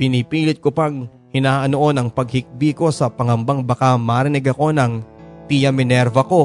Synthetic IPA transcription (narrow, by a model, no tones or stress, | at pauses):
pɪnipiːlɪt̪̚kopɐŋ | hɪnaːʔɐnoʔo̞nɐŋpɐɡ̚hɪk̚biko̞sɐpɐŋɐmbaŋbakamaɾɪnɪɡɐko̞nɐŋp̪ijɐmɪnɛɾvɐko̞